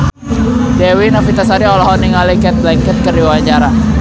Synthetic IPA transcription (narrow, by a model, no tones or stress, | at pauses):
dɛwinafit̪asaɾiɔlɔɦɔniŋalɛkɛt̪̚lɛŋkɛt̪̚kəriwaɲd͡ʒaɾa